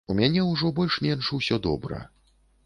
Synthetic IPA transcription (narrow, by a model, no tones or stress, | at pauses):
umʲanʲɛwʐɔbɔlʲʂmʲɛnʂuwsʲɔd̪ɔ̰bɾɐ̰